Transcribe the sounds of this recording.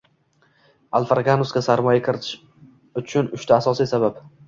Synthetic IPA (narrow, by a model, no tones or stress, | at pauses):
alˠfaɾɡanʊskʲasaɾmɒjakʰɪɾɪt̪ʰɪ̥ʃ | ʊt͡ʃʰʊnʊʃt̪ʰaːsɒsijsabap